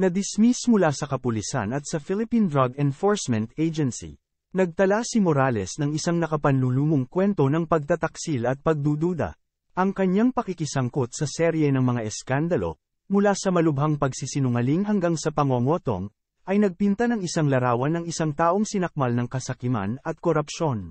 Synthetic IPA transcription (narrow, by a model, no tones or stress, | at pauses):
nɐd̪ɪsmismʊlasɐkɐpʊlisa̰nɐt̪sɐfilɪpind̪ɾaɡɛnfoɹsmɛ̃nt̪ejd͡ʒɛnsḭ | nɐɡ̚t̪ɐlasimoɾalɛsnɐŋɪsaŋnɐkɐpɐnluluːmoŋkwɛnt̪o̞nɐŋpɐɡ̚t̪ɐt̪ɐksilɐt̪̚pɐɡ̚d̪uːd̪uːd̪ɐ̰ | ʔɐŋkɐɲːaŋpɐkikɪsɐŋkot̪̚sɐsɛɾjɛnɐŋmɐŋaʔɛskand̪ɐlo̞̰ | mʊlasɐmɐlʊbɦaŋpɐɡsisɪnʊŋɐliŋɦɐŋɡaŋsɐpɐŋoŋo̞t̪o̞̰ŋ | ʔɐjnɐɡ̚pint̪ɐnɐŋɪsaŋlɐɾaːwɐnːɐŋɪsaŋt̪aːʔo̞ŋsɪnɐk̚malnɐŋkɐsɐkɪma̰nɐt̪̚koɾɐpʃo̞n